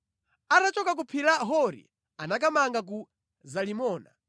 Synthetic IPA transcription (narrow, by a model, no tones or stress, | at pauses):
aɾat͡ʃɔkak̬upʰilaɦɔɾḭ | anak̬amaŋɡak̬u | zalimɔːna̰